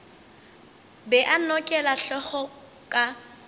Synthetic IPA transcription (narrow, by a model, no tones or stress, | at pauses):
bɛʔanɔkʼɛlaɬɔχɔ | kʼa